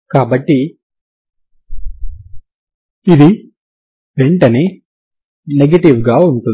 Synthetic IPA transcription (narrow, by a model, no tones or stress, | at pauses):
kaːbɐʈːi | id̪i | ʋeɳʈɐneː | neɡɐʈiʋɡaːuɳʈun